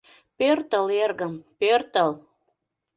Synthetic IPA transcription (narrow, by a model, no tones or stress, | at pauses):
pørt̪əlerɣəmpørt̪əl